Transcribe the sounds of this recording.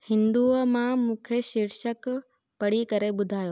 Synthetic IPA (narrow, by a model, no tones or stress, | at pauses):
hɪ̃nd̪uːəmãmũːkʰeʃɪɾʃək | pɐɽ̤ikɐɾeɓʊd̪ʱaːjoː